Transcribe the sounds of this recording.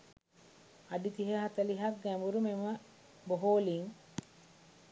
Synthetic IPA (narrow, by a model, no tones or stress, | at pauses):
aɖit̪iɦəɦat̪əliɦak̚ɡæmbuɾumemə | boɦoːliŋ